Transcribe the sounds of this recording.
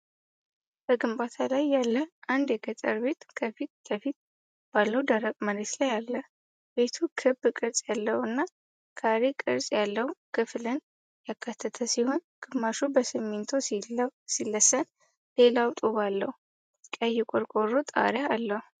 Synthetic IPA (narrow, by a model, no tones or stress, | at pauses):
b̥əɡɨmbat̪ʰalajːalːəʔand̪jɛɡət̪ʼə̰ɾbe̞t̪kʰəfit̪kʰəfit̪̚ | b̥alːəwd̪əɾəkʼməɾet̪lajalːə | be̞t̪ʰukʰɨbkʼɨɾsʼjalːəhɨnːa | kʰaɾekʼɨɾsʼjalːəhukʰɨflɨn | jakʰːat̪ʰːət̪ʰəsiho̞nɡ̥ɨmːaʃubəsɨmːent̪ʰo̞silːəsən | le̞lawt̪ʼoβalːəhu | kʼəjːɛkʼoɾkʼorːot̪ʼa̰ɾaalːəhu